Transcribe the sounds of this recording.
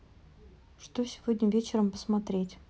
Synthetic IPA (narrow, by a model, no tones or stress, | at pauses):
ʂt̪osʲɪvod̪ʲnʲɪvʲet͡ɕɪɾəmpə̥smɐt̪ɾʲetʲ